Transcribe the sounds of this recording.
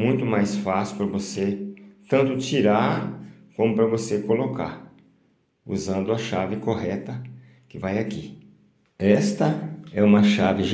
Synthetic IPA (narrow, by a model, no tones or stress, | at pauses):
mũj̃t̪ʊmajsfasɪʊ̥pɾɐvoset̪ɐ̃nt̪ʊt͡ʃiɾaɾkõmʊpɾɐvosekoloka̰ɾ | ṵzɐ̃nd̪ʊɐʃavɪkoɦɛt̪ɐ | kɪvajaki | ɛst̪ɐɛũmɐʃavɪʒ